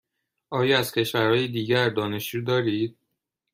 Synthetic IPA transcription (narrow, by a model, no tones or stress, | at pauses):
ʔɒːjɒːæz̥cʰʲe̞ʃvæɾhɒːjed̪iːɟæɾd̪ɒːne̞ʃd͡ʒuːd̪ɒːɾiːd̪̥̚